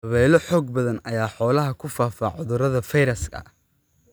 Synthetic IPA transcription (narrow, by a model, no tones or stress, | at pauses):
ɐβɛːlɔħɔːɡ̚bɐðɐnɐjaːħɔːlɐɦɐkʰʊfaːfaːʕʊðʊɾɐðɐfɐjɾɐskʰɐ̰